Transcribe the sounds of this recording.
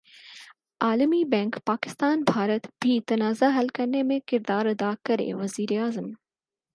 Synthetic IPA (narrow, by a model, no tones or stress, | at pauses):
aːlmibɛ̃ːŋkpaːkɪ̥st̪aːnbʱaːɾət̪bʱit̪ɐnaːzaɦɐlkɐɾnemẽkɪɾd̪aːɾɐd̪akɐɾḛʋɐziːɾeaːzəm